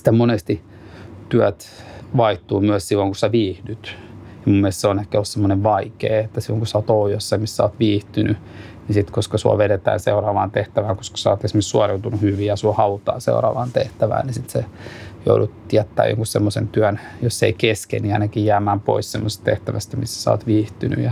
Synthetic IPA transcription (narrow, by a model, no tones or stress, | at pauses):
si̥t̪æmonest̪i | t̪yæt̪ | ʋɑiht̪uːmyæssilːoŋkusæʋiːhdyt̪ | jɑmumːielest̪seonehkæolussemːoneʋʋɑikḛːet̪ːæsilːoŋkusæoːt̪ojosːɑimissæo̰ːt̪ʋiːht̪yny | nisit̪koskɑsuɔ̰ʋeɾet̪æ̰ːnseurɑːʋɑːnt̪eht̪æʋæːŋko̥skɑ̥sɑɑːt̪esmessuɑreut̪unuhyʋijɑsuohɑut̪ɑ̰ːsḛurɑ̰ːʋɑ̰ːnt̪eht̪æʋæ̰ːnisit̪sejo̰udut̪ːijæt̪ːæ̰ːjo̰ŋkussemːosḛnt̪yænjosːḛikeskḛnːiɑinɑkijjæːmæːmpo̰issemːose̥st̪t̪ḛht̪æʋæst̪æmisːæ̥sɑ̰ːt̪ʋiːht̪yny̰jɑ